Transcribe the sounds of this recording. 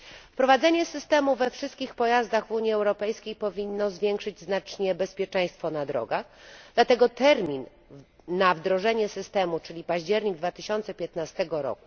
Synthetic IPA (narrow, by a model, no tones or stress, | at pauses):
fpɾɔvad̪zɛɲɛsɘst̪ɛmuvɛfʂɘst̪kʲixpɔjazd̪aɣvuɲiɛwɾɔpɛjskʲejpɔvʲinːɔzvʲjɛŋkʂɘd͡ʑznat͡ʂɲɛbɛspʲjɛt͡ʂɛ̃j̃st̪fɔnad̪ɾɔ̰ɡaɣd̪lat̪ɛɡɔt̪ɛɾmʲinː | avd̪ɾɔʐɛɲɛsɘst̪ɛmut͡ʂɘlʲipaʑd͡ʑɛɾɲiɡ̚d̪vat̪ɘɕɔnt̪sɛpʲjɛt̪nast̪ɛɡɔɾɔ̰ku